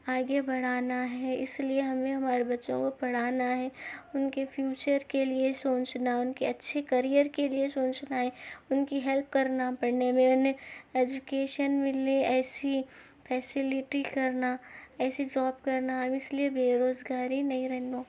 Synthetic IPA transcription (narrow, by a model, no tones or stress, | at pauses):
aːɡebɐɽ̤aːnaɦɛɪslieɦɐmẽɦɐmaːɾebɐtːʃõ̰kopɐɽ̤aːnaɦɛːʊnkefʰjuːt͡ʃəɾkeliesõːt͡ʃnaɦɛʊnkeɐtːʃʰekɐɾijəɾkeliesõːt͡ʃnaɦɛʊnkiɦɛlp̚kɐɾnapɐɽnemẽʊnɦẽeːd͡ʒʊkeːʃənmɪleɛːsi | fʰɛːsɪlɪʈikɐɾnaɛːsid͡ʒaːbkɐɾnaɦɐmɪsliebeːɾoːzɡaːɾinɐɦĩɾɛɦnoː